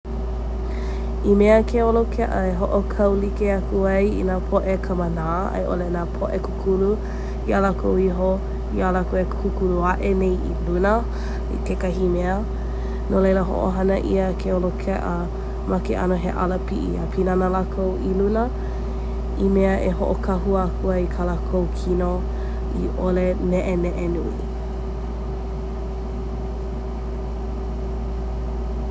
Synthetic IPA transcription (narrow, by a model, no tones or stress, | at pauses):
imeəkʰeolokʰɛʔə̰eɦoʔokʰɐwlikeɐkʰuɐjḭnaːpʰoʔekʰəmənaː | ɐ̰jʔo̰lenaːpʰoʔekukʰulu | ialakʰowiɦo | ialakoekkukuluaʔenejʔḭlunə | ḭtʰekɐɦimeə | nolejləɦo̰ʔo̰ɦɐnəʔiəkʰeolokʰɛʔə | makeʔɐ̰noɦḛʔa̰ləpiʔḭa̰pʰinanəlakʰowʔilunə | imeəʔeɦoʔokʰɐɦuakʰuɐikʰalakʰowkʰino | iʔolenɛʔenɛʔenuḭ